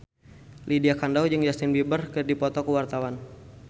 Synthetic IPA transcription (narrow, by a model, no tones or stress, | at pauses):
lʔidiakandawd͡ʒəŋd͡ʒast̪ɪnbibərkədipɔt̪ɔkəwart̪awan